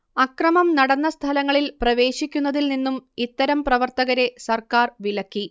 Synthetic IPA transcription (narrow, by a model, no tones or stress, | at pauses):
ɐkrɐmɐmnɐɽɐnːɐst̪ʰɐlɐŋːɐɭilprɐʋe̞ːɕikʲːunːɐðilninːumit̪ːɐɾɐmprɐʋɐrt̪ɐɣɐɾe̞sɐrkaːrʋilɐkːi